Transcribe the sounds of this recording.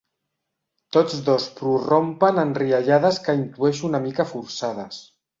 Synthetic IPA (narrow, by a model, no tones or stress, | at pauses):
t̪od͡zðospɾurompənənriaʎað̞əskəint̪uɛʃunamikafuɾsað̞əs